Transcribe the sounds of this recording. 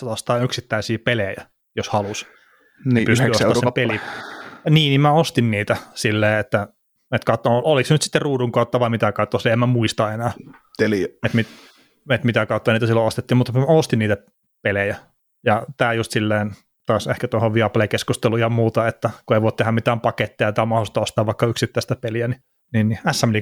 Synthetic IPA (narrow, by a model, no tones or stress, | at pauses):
et̪ost̪ɑːyksit̪ːæisiːpelejæ | joshɑlus | npysteyːsosɑsempeli | niːnimmæost̪inniːt̪æsilːeːet̪ːæ | et̪kɑt̪ːooliksnyt̪si̥t̪ːerruːduŋkɑˑut̪ːɑʋɑimit̪ækɑut̪ːoseemæmuist̪ɑenæː | t̪eliet̪mit̪ | et̪mit̪ækɑˑut̪ːɑniːt̪æsilːoost̪et̪ːiːmut̪ːmæost̪inniːt̪æ | pelejæ | jɑt̪æːjust̪silːeːn | t̪oɑˑsehkæt̪uohoʋʋiɑplekeskust̪elujhɑmuːt̪ɑet̪ːækueiʋoit̪ehæmit̪æːmpɑket̪ːejɑt̪æːmɑholst̪ɑost̪ɑːʋʋɑikːɑyksit̪ːæˑist̪æpeliæni | niːnniæsːæmli